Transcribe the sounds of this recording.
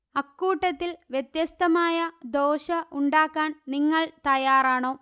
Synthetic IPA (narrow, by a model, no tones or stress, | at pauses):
ɐkːuːʈːɐt̪ːilʋjet̪jɐst̪ɐmaːjɐd̪oːɕɐʔuɳɖaːkːaːnniŋːɐɭt̪ɐjaːraːɳo̞ː